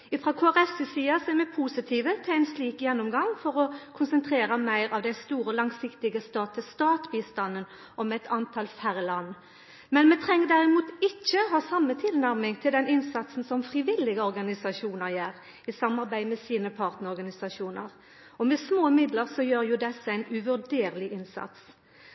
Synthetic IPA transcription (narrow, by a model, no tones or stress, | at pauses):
ɪfɾʁoːkʰoːæʁɛsɪsiːɑsɔæɾmɛpʰuːsɪt̪ʰiːʋət̪ʰɪlæɪnsliːkjɛnːɔmɡɑŋfɔɾɔkʰʊnsənt̪ʰʁeːɾɑmæɪɾɑʋd̪ɛst̪uːɾəlɑŋsɪkt̪ɪɡəst̪ɑːt̪ʰəst̪ɑːt̪biːst̪ɑnːən | ʔɔmɛt̪ʰɑnt̪ʰɑlfæɾlɑnː | mɛnmɛt̪ʰɾɛŋːəd̪æɾʁɪmuːt̪ɪt͡ʃːəɔɦɑːsɑmːət̪ʰɪlnæɾmɪŋt̪ʰɪld̪ɛnɪnsɑt̪sn̩sɔmfɾɪʋɪlːɪɡəɔɾɡɑnɪsɑʃuːnəʁjeːʁ | ɪsɑmːɑʁbæɪmɛsiːnəpʰɑːʁt̪nəʁɾɔʁɡɑnɪsɑʂuːnə̰ʁ | ɔmɛsmoːmɪd̪ləʁsɔjøːɾjʊd̪ɛsːəæɪnʉʋʉɖeːɾlɪʔɪnsɑ̰t̪s